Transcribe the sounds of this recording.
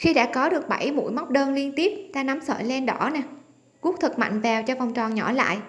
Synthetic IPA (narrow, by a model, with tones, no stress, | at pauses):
xi˧ɗa̰ː˧˥kɔ˨˦ɗɨ˨˩ək̚ɓa˧˩jmṵ˧˥jma˦˥wk͡p̚ɗəː˧nli˧ənt̪i˦˥əp̚t̪aː˧na˨˦msə̰ː˧˨jlɛ˧nɗɔ˧˩na˨˩ | ku˦˥k̚t̪ʰɨ˨˩k̚ma̰˧˨jŋ̟vɛ˨˩wt͡ɕɔ˧va˨˩wŋ͡mt͡ɕɔ˨˩nɲɔ˧˩la̰ː˧˨jʔ